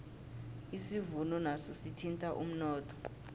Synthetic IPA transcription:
isivunɔnasɔsitʰintʼaʔṵm̩nɔːtʰɔ̥

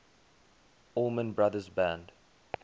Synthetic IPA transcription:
ɔmə̃nbɹaðəzbæ̃nd

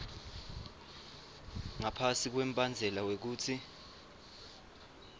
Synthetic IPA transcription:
ŋapʰasik̬wem̩bʱʼand͡zʱɛlawek̬uːtʰi

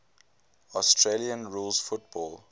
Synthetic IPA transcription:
ɔstʰɹeliə̃nɹuːlsfʊt̚b̥ɔːl

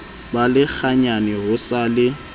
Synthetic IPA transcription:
balɪk͡xʰaɲanɪɣʊsalɪ

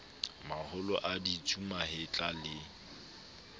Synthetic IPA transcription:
mahʊlɔ̰ʔaditʰumahɪt͡ɬʼalɪ

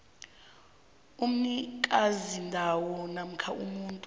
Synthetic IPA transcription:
um̩nikʼazindʱawɔnam̩kʰaṵmuːntʼ

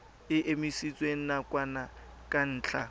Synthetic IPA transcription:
ɪʔemisit͡sʼweŋ̩nakʼwana | kʼan̩ːt͡ɬʰʼa

